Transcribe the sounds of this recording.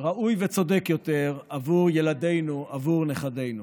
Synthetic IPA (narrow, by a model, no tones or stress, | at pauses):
ʁaʔujvet͡so̞dekjo̞t̪e̞ʁavuʁjelade̞jnuavuʁneχade̞jnu